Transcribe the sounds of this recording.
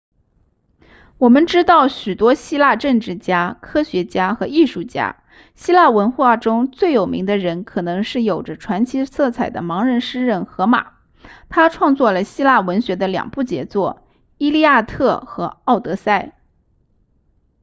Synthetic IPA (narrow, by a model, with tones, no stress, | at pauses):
wɔ˨˩mə˧˦nʈ͡ʂɻ̩˥t̪ɑ˥˩ʊɕy˨˩t̪wɔ˥ɕi˥la˥˧ʈ͡ʂɤ˥˧ŋʈ͡ʂɻ̩˥˩t͡ɕja˥kʰɤ˥ɕɥɛ˧˥t͡ɕja˥xɤ˧˥i˥˧ʂu˥˩t͡ɕja̰˥ | ɕi˥la˥˩wə˧˥nxwa˥˩ʈ͡ʂʊ˥ŋt͡swe˥˩ɪjo˨˩ʊmḭ˧˥ŋd̪ə˧ɻə˧˥nkʰɤ˨˩nɤ˧˥ŋʂɻ̩˥˩jo˨˩ʊʈ͡ʂə˦ʈ͡ʂʰwa˧˥nt͡ɕʰi˧˥t͡sʰɤ˥˩t͡sʰa˨˩ɪd̪ə̰˦mɑ˧˥ŋɻə˧˥nʂɻ̩˥ɻə˥˩nxɤ˧˥ma̰˨˩˦ | t̪ʰa˥ʈ͡ʂʰwɑ˥˧ŋt͡swɔ˥˩lə˩ɕi˥la˥˩wə˧˥nɕɥɛ˧˥d̪ə˧ljɑ̰˨˩ŋpu˥˩t͡ɕjɛ̰˧˥t͡swɔ˥˩ | i˥li˥˧ja˥˧t̪ʰɤ˥˩xɤ˧˥ɑ˥˩ʊt̪ɤ˧˥sa˥˩ɪ